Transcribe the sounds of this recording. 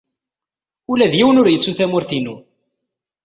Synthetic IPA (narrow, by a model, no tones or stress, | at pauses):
ulæðjiwənʊɾjət͡sːuθæmʊɾθinu